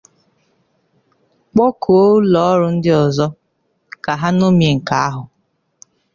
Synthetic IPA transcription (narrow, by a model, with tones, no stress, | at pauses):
k͡pɔ˦kʰo˨o˦lɔ˦ɔ˦ɾʊ˦n̩˦dɪ˦ɔ˨zɔ˦ | ka˨ɦa˦no˦mje˨ŋ̩˨ka˨˦a˦ɦʊ˨